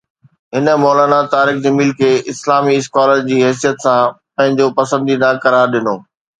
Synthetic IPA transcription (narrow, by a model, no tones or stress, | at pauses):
ɦɪnə̆mɔːlaːnat̪aːɾixd͡ʑɐmiːlkʰeːɪslaːmiɪskaːləɾd͡ʑiːɦɛːs̬ijət̪sãpɐ̃ɦɪ̃ɲd͡ʑopɐsə̃nd̪inakɐɾaːɾɗɪnoː